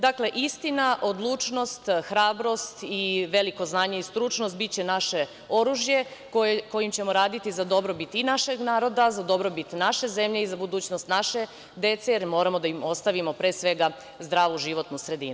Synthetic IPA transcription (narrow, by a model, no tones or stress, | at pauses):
d̪akle̞ʔist̪inaʔo̞d̪lˠuːt͡ʃno̞st̪xɾaːbɾo̞st̪iʋe̞liko̞znaːɲe̞ist̪ɾut͡ʃnost̪̚bit̪̚t͡ɕe̞naʃe̞ | o̞ɾuʒjekoko̞jimt͡ɕe̞mo̞ɾaːd̪it̪izad̪o̞bɾo̞bit̪inaʃeɡnaːɾo̞d̪azad̪o̞bɾo̞bit̪naʃe̞ze̞mʎeizabud̪uːt͡ɕnost̪naʃe̞ | d̪e̞t̪sejeɾmo̞ːɾamo̞d̪aimo̞st̪aʋimo̞pɾeːsʋe̞ɡa | zd̪ɾaːʋuʒiʋo̞t̪nusɾe̞d̪iːnu